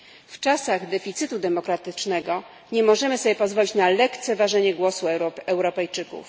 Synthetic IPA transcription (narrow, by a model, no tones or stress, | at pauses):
ft͡ʂasaɣd̪ɛfʲit̪sɘt̪ud̪ɛmɔkɾat̪ɘt͡ʂnɛɡɔ | ɲɛmɔʐɛmɘsɔbjɛpɔzvɔlʲit͡ɕnalɛkt̪sɛvaʐɛɲɛɡwɔsuɛwɾɔpɛjt͡ʂɘkṵf